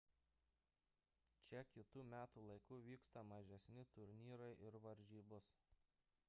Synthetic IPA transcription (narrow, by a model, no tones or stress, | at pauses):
t͡ʃʲɛkʲɪt̪uːmʲæːt̪uːlˠɐɪkʊʋʲiːkst̪ɐmɐʒʲɛsʲnʲɪt̪ʊɾʲnʲiːɾɐɪʔɪɾʋɐɾʲʒʲiːbʊs